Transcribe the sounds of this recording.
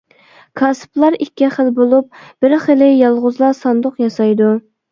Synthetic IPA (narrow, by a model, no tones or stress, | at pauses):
kʰɑsplˠɑɾikʲːɛχəlbolˠup̚b̥ɪɾχelɪjɑlˠʁʊzlˠɑsɑnd̪ʊqjɑsɑjd̪u